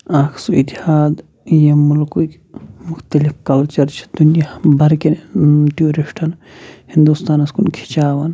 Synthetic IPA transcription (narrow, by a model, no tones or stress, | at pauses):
aːkʰsuit̪ihaːd̪ | jemulkuk | mʊxt̪ɐlifkɐlt͡ʃɐɾt͡ʃʰi̥d̪̥unjabɐɾkʲenʈijoːɾiʂʈʰɐn | hind̪ust̪aːnɐskunkʰi̥t͡ʃaːʋɐn